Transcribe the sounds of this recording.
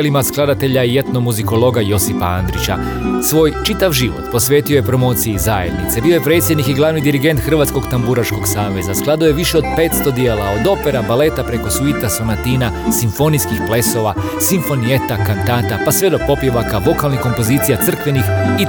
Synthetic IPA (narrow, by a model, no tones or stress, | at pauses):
limasklˠad̪at̪e̞ʎaijet̪nomuziko̞lˠo̞ɡajo̞sipaand̪ɾit͡ɕa̰ | sʋo̞ːjt͡ʃit̪aʋʒiʋo̰t̪po̞sʋe̞ːt̪iojepɾo̞mo̞ːt̪sijizajed̪nḭt̪se̞biːo̞je̞pɾe̞ːt̪sʲjed̪nikiɡlˠaːʋnid̪iɾiɡe̞nt̪xr̩ʋat̪sko̞ɡt̪ambuɾaʃko̞ɡsaːʋe̞zasklˠad̪ujeʋiʃeo̞d̪pe̞ːt̪st̪o̞d̪jeːlˠao̞d̪o̞pe̞ɾabale̞t̪apɾe̞ko̞suit̪asonat̪iːna | siɱfo̞niskixple̞so̞ʋa | siɱfo̞nijet̪akant̪aːt̪apasʋe̞d̪oɡ̚po̞pjeʋakaʋo̞kalˠnixko̞mpo̞ziːt̪sijat̪sr̩kʋe̞nixi